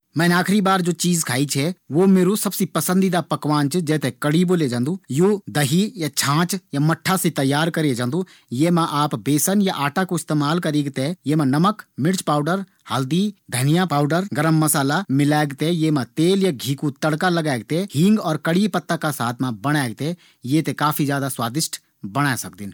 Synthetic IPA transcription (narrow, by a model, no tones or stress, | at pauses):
mɛ̃ːneaːkʰɾibaːɾd͡ʒoːt͡ʃiːzkʰaːit͡ʃʰɛʋomeːɾusɐbsipəsə̃nd̪id̪apɐkʋaːnt͡ʃd͡ʒɛːt̪ekəɽiboːled͡ʒãːnd̪ujoːd̪ɐɦijat͡ʃʰãːt͡ʃjamɐʈʰːaset̪ɐjːaːɾkəɾed͡ʒãːnd̪ũ | jemãʔaːpbeːsənjaʔaːʈakoɪst̪eːmaːlkɐɾeːɡt̪ejemãnɐməkmɪɽt͡ʃpaːʊɖəɾ | haːld̪id̪ʱɐnijapaːʊɖəɾɡɐɾəmːɐsaːlamɪlaːɡt̪ejemãt̪eːljaɡʱiːkut̪ɐɽkalɐɡaːɡ̚t̪ehɪ̃ŋɡɔːɾkɐɽipɐt̪ːakasaːt̪ʰmãbɐɽ̃aːɡ̚t̪e | jet̪ekaːfʰizjaːd̪aswaːd̪ɪʃʈʰ | bɐɽ̃aːsɐk̚d̪ɪn